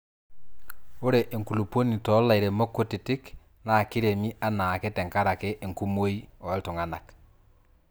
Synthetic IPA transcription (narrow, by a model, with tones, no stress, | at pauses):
o˦ɾe˨ʔe˨ŋku˨lu˨po˦ni˨tɔ˨˦la˨i˨ɾe˨mo˦kːo˦tɪ˨tɪ˦k | na˨kɪ˦ɾe˨mi˦ʔa˦na˨ke˦tɛ˨ŋka˦ɾa˨ke˦ʔe˨ŋku˦mo˦i˦ɔ˨˦tʊ˨ŋa˦na˨k